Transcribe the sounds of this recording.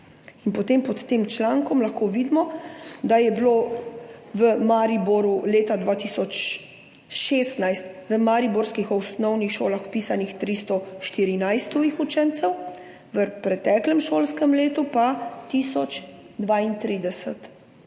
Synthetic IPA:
inpɔt̪empɔt̪ːeːmt͡ʃlaːŋkɔmlaxkoʋid̪mɔd̪ajɛbloː | ʋəmaːɾibɔɾuleːt̪ad̪ʋaːt̪iːsɔt͡ʃ | ʃeːst̪najst̪ʋəmaɾibɔɾskixɔwsnɔwnixʃoːlaxwpiːsanixt̪ɾist̪ɔʃt̪iɾinajst̪ɔixut͡ʃɛnt̪sɛw | ʋəpɾɛt̪ɛːklɛmʃoːlskəmleːt̪upat̪iːsɔt͡ʃ | d̪ʋaːint̪ɾiːd̪ɛsət̪

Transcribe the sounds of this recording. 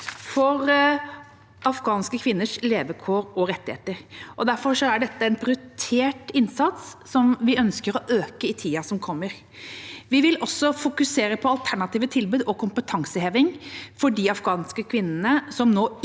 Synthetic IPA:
fɔɾ | ɑfɡɑːnskəkʰʋɪnːəʂleːʋəkʰoːɾɔɾɛt̪ːɪhḛːt̪əɾʔɔd̪æɾfɔɾʂɔæɖɛt̪ːəɛnpʰɾɪt̪ʰeːʈɪnsɑt̪sːɔmʋɪœnskəɾɔʔøːkəɪt̪ʰiːɑsɔmkʰɔmːəɾ | ʋɪʋɪlʔɔsːɔfʊkʉseːɾəpʰɔɑlt̪ʰæɳɑt̪iːʋət̪ʰɪlbʉːd̪ɔkʊmpət̪ʰɑŋsəheːʋɪŋfɔɖɪɑfɡɑːnskəkʰʋɪnːənəsɔmnoː

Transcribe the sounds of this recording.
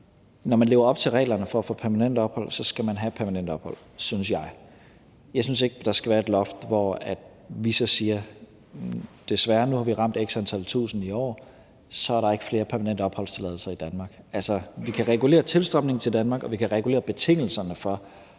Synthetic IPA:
nɒmænle̝ːʊɐɒ̽b̥t͡sʰe̝lʁɛ̰ːlɐnəfɒfɒ̽pʰæɐmænen̰d̥əɒ̽b̥hɒ̽l̰sɒ̽sɡ̥æmænɦæd̥pʰæɐmænen̰d̥ɒ̽b̥hɒ̽l̰ | synsjɑ̈ɪ | jɑ̈ɪsynse̝ɡ̥əd̥ɑ̈sɡ̥æʋæːɐe̝d̥lɒ̽fd̥ʋɒæd̥ | ʋisɒ̽siːɐ | d̥e̝sʋæːɐnuhɑ̈ʋiʁɑ̈m̰d̥eɡ̥sænt͡sʰæl̰t͡sʰṵːsn̩iɒ̰ː | sɒ̽æɐɾɑ̈e̝ɡ̥ə̥fle̝ːɐpʰæɐmænen̰dəɒ̽b̥hɒ̽l̰st͡sʰe̝lɛð̞ˠl̩sɐid̥ænmɑ̈ːɡ̥ælsɐʋikʰæʁɛɡ̥ule̝̰ːɐt͡sʰe̝lsd̥ʁɒm̥ne̝ŋnt͡sʰe̝ld̥ænmɑ̈ɡ̥ɒ̽ʋikʰæʁɛɡ̥ule̝̰ːɐb̥e̝t͡sʰe̝ŋ̰l̩sɐnəfɒ̽

